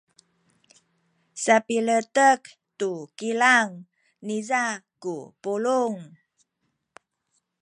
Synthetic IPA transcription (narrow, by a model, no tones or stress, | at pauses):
sapilətək | tukilaŋ | niza | kupuluŋ